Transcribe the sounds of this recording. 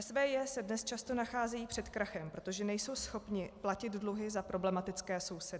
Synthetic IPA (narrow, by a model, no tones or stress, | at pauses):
ɛsvɛːjɛsɛdnɛst͡ʃast̪o̞naxaːzɛjiːpr̥ɛt̪kɾaxɛmpɾo̞t̪o̞ʒɛnɛjso̞wsxo̞pɲɪplacɪd̪dluɦɪzapɾo̞blɛmat̪ɪt͡skɛːso̞wsɛdɪ